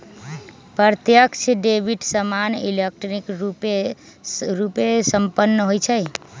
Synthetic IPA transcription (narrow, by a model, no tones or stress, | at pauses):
pəɾt̪jəkt͡ʃʰeɖebʱiʈsəmanḭlek̚ʈnikɾupe | ɾupesəmpənːəɦojt͡ʃʰəj